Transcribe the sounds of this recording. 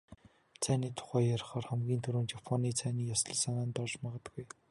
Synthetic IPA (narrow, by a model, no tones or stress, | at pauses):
t͡sʰæːniːt̪ʰʊ̥χæːjaɾ̆χɔːrχæmɡʲiːnt̪ʰɵɾoːnt͡ɕapʰɔniːt͡sʰæːniːjasɞ̆ɮsanaːnt̪ɔrt͡ɕmaʁə̆t̪ɡuj